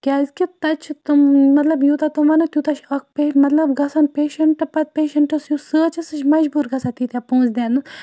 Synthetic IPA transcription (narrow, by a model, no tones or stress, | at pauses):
kʲaːzkit̪ɐt͡ʃʰt̪umɐt̪lɐbjut̪at̪uʋɐnɐt̪ʲjut̪ɐt͡ʃʰɐk̚pemɐt̪lɐbɡɐsɐnpeːʃɐɳʈɨpɐt̪̚peːʃɐɳʈɨsjusəːt͡ʃʰɐsɨt͡ʃʰmɐd͡ʒbuːɾɡɐsat̪iːt̪ʲapõːzd̪ʲeːnɨ